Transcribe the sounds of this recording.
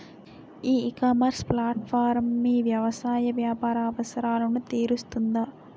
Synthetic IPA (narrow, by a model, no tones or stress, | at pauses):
iːkaːmɐɾsplaːʈ̚pʰaːɾmːiʋjɐʋɐsaːjɐʋjaːpaːɾaːʋɐsɐɾaːlɐnut̪iːɾust̪und̪ɐ